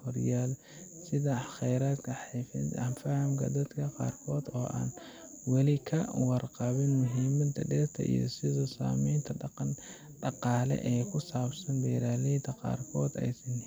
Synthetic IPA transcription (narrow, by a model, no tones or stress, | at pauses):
hɔrjaːl | sɪðɐχɛjɾaːd̪kʰɐħijfɪ̰nɐnfɐhɐmkʰɐ̰d̪ɐd̪kʰɐqɑ̰ːrkʰɔːd̪ɔːʔa̰ːn | wɑlɪkʰɐwɑrqɑβɪnmʊɦiːmɐnt̪ʰɐɖɛːrt̪ʰɐ̰ʔḭjɔ̰sɪðɔsa̰ːmɛjnt̪ʰɐɖɑqɑn | ɖɑqɑːlɛ̰ʔɛːkʰʊsaːbsɐnbɛjɾaːlɛnt̪ʰɐqɑ̰ːrkʰɔːd̪ɛ̰jsɐnh